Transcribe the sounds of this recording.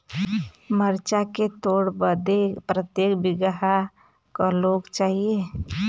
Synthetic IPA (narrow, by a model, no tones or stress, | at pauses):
məɾt͡ʃaket̪oɽbəd̪epɾət̪jekbiɡəɦa | kaloɡt͡ʃaːɦie